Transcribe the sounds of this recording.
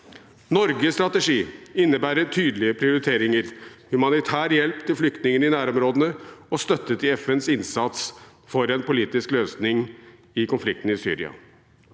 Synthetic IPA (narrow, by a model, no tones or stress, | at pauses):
nɔɾɡəst̪ɾɑt̪əʂiːɪnːəbæːɾət̪ʰyːd̪lɪəpʰɾɪʊɾɪt̪ʰeːɾɪŋəɾhʉmɑnɪt̪ʰæːɾjɛlpt̪ʰɪlflʏkt̪nɪŋənɪnæːɾɔmɾoːd̪ənəɔst̪œt̪ːət̪ɪɛfɛnsɪnsɑt̪s | fɔɾɛnpʊliːt̪ɪskløːsnɪŋ | ɪkʊnflɪk̚t̪n̩ɪsy̰ːɾɪ̰ɑ̰